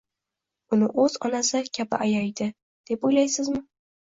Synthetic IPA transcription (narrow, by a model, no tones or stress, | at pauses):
ʊnɪʔɵz̥ɒnasɪkʲʰabɪ̰ʔajajd̪ɪ | d̪̥e̞pojlajsɪzmɪ